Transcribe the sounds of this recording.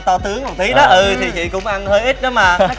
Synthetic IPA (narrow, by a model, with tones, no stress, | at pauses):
t̪ɔ˧t̪ɨ˨˦əŋha˨˩t̪ʰi˨˦ɗɔ˨˦ʔɨ˧t̪ʰi˨˩t͡ɕḭ˧˨kʊ̰˧˥ŋ͡mʔa˧nhəː˧jʔi˦˥t̚ɗɔ˨˦maː˩